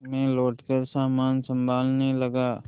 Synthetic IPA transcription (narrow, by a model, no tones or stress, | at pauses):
mẽloːʈkəɾsaːmaːnsə̃mbʱaːlnəɦĩlɐɡaː